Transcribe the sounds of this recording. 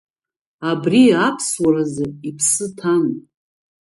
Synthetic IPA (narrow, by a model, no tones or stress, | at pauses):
abriapʰswaɾazɨipʰsɨtʰan